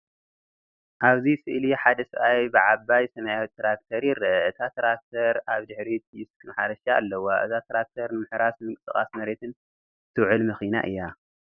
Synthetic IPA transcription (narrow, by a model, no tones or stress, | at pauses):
ʔaβzisɨʔliħad̪ɐsɨʔajbɨʕaβajsɐmajawit̪ʰːɾak̚t̪ʰɐɾjɪɾɐʔɐɨt̪ʰat̪ʰɐɾak̚t̪ʰɐɾaβd̪ɨħɾit̪ʰjɨskʰɨmħaɾɐʃaːlːɐwaʔɨ̰zat̪ʰɐɾak̚t̪ʰɐɾnɨmɨħɾasmɨŋkʼɨsɨχʼa̰smɐɾe̞t̪ʰɨn | t̪ʰɨwʕɨlmɐxina̰ʔɨ̰jːa